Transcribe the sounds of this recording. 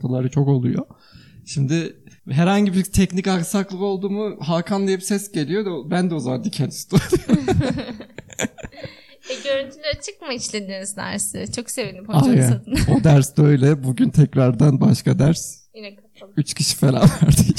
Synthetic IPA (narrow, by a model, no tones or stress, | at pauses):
t̪ʰalˠaɾɯt͡ʃʰo̞ko̞lˠujo̰ | ʃimd̪ɪɦɛɾhaɲɟibiɾt̪ʰɛcnikaksaklˠɯo̞lˠd̪uːmuɦaːkʰanlˠajɯpsɛsɟe̞lʲijo̞d̪abænd̪ɛozamand̪icʰɛnt̪st̪u | ɛɟøɾynt̪ʰylʲæɾt͡ʃʰɯk̚maiʃlʲend̪iniznæ̰ɾsɪ̰t͡ʃʰoksevinipʰoaano̞d̪æɾsd̪øjlʲɛbuɟynt̪ʰɛcɾaɾd̪anbaʃkad̪æɾs | yt͡ʃcʰiʃi̥felʲa̰væɾd̪i